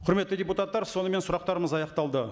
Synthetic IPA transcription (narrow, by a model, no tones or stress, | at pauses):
qʰʊɾme̞t̪ːɪdʲeput̪at̪ːɑɾso̞nəme̞nsʊɾɑqt̪ɑɾəməzɑjɑqt̪ɑlˠd̪ə